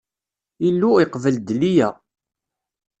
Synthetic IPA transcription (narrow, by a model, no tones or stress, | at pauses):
ilːuiqvəld̪lijæ